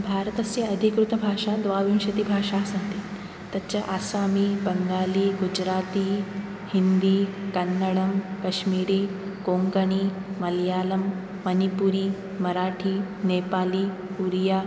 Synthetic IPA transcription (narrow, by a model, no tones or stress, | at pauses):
bʱaɾət̪əsjeɐd̪ʱikɾut̪əbʱaːʂad̪ʋaʋĩwʃɐt̪iːbʱaːʂasãnt̪iː | t̪jatːt͡ɕjaʔasaːmiːbəŋɡaːliːɡud͡ʑɾaːt̪iː | hind̪iːkɐnːəɭəmkɐʃmiːɾiːkoŋkəɳ̃iːmɐljaːləmː | ənipuɾiː | mɐɾaʈʰiːnepaːliː | uɾja